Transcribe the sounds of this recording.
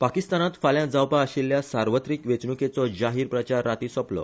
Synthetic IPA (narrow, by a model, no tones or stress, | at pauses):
pakist̪anat̪faljãd͡zawpaːɕilːjasaɾʋət̪ɾiːkʋet͡sɳuket͡sɔd͡ʑaɦiːɾpɾət͡ɕaɾːat̪iːsɔplɔ̰